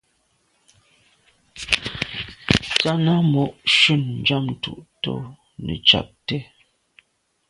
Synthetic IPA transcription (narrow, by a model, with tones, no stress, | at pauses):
t͡sa˦na˦mɔ˨ʔʃʉ˦˨n̩˨d͡ʒa˦˨m˨tu˦˨ʔto˦ | nə̰˨t͡ʃa̰˨p̚tɛ˦